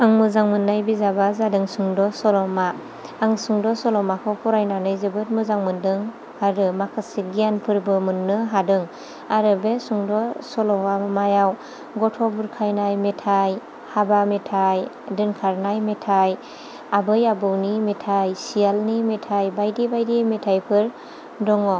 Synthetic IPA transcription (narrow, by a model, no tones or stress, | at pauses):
aŋmɯzaŋmɯnːajbizabazadɯŋsuŋdɔsɔlɔmaː | ŋsuŋdɔsɔlɔmakʰɔpʰuɾajnanɯjzɯbɯt̚mɯzaŋmɯndɯŋ | aɾɯmakʰɯsiɡijanpʰɯɾbɯmɯnːɯɦadɯŋ | aɾɯbesuŋdɔsɔlɔwamajaw | ɡɔtʰɔbuɾkʰajnajmetʰaj | habametʰaj | dɯnkʰaɾnajmetʰaj | abɯjabɯwnimetʰajsijalnimetʰajbajdibajdimetʰajpʰɯɾ | dɔŋɔ